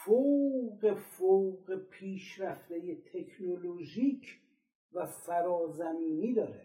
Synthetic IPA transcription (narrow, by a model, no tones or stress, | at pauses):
fowɢe̞fowɢepʰiːʃɾæft̪ejet̪ʰe̞kʰnoloʒiːcʰ | væsæɾɒːzæmiːniːd̪ɒːɾe